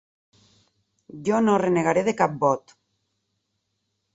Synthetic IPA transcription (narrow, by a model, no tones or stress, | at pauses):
d͡ʒonoreneɣaɾeðekap̚bɔt̪